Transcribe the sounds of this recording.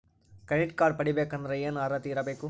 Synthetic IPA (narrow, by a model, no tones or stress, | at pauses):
kɐniʈ̚kaːɖ̚pɐɽibeːkɐnd̪ɾɐjeːnaːɾɐt̪iːɾɐbeːku